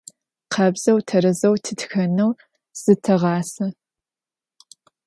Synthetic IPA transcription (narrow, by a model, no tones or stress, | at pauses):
qʰɐbz̥ɐwtʰɐɾɐzɐwtʰɨtxɐnɐw | z̥ɨtʰɐʁɑːsɐ